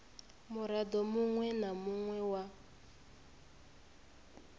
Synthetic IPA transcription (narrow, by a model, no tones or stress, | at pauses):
muɾadɔmuŋwɛnamuŋwɛwa